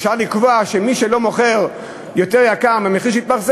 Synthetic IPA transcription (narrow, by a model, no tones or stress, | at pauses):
fʃaʁlikvoaʃemiʃelo̞mo̞χeʁ | jo̞t̪eʁjakamameχiʃ̬it̪̚baʁs